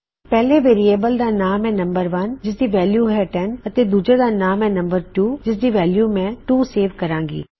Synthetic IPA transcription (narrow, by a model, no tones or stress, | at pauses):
pɛɦlẽʋeːɾieːbəld̪anaːmɛ̃nɐ̃mbəɾʋɐnd͡ʒɪs̬d̪iʋɛːljuɦɛʈɛnɐt̪ed̪uːd͡ʒəɾd̪anaːmɛ̃nɐ̃mbəɾʈuːd͡ʑɪsd̪iʋɛːljuːmɛ̃ʈuːseːʋkɐɾãːŋɡḭː